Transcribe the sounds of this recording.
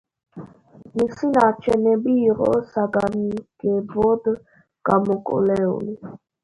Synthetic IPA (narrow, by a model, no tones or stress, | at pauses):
misinat͡ʃʰɛnɛbiːɾɔ̰saɡaniɡ̥ɛbɔd̪ | ɡ̥amɔkʼɔ̰lɛɔ̰li